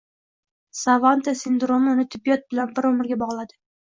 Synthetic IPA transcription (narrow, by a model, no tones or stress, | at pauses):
savant̪ʰasɪnd̪ɾo̞mʊnɪt̪ʰɪbijɒt̪̚bɪlanbɪɾɵmɪɾɡʲabɒʁlˠad̪ɪ